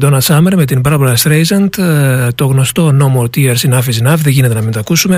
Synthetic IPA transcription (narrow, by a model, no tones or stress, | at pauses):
d̪onɐsɐmeɾme̞t̪inbɐɾɐpolɐst̪ɾejzɐnt̪t̪o̞ɣno̞st̪o̞no̞mot̪iɐɾsinɐfizinɐfðeʝine̞t̪enɐmint̪ɐkusume̞